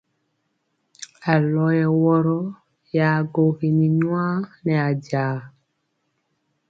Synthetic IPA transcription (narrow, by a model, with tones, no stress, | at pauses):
a˨lɔ˨˦jɛ˨wɔ˦ɾɔ˦ | ja˨ɡo˨ɣe˨ni˨ɲwa˦nɛ˨a˨ɟaː˨˦